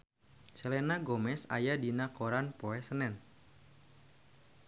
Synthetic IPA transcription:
t͡ʃəlɛnaɡɔmɛsa̰jadinakoɾanpoɛsənɛn

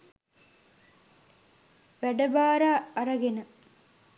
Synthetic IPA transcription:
ʋæɖɐbaːɾaːɾɐɡenə

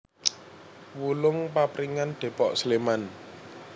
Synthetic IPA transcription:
wulʊŋpapɾiŋanɖ̪̥e̤pɔʔsleman

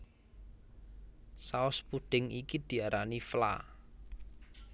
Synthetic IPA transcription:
saʊspuɖ̪̥ɪ̤ŋikid̪̥i̤aɾanifla̰

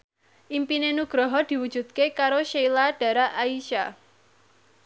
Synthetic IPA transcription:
ʔimpinenuɡ̥ɾɔɦɔd̪̥i̤wud̥d͡ʒ̥ṳd̪̚kekaɾoʃejlaɖ̥a̤ɾaʔaiʃa

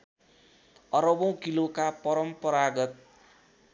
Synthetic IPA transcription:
ʌɾʌbʌw̃kilokapʌɾʌmpʌɾaɡʌt̪̚

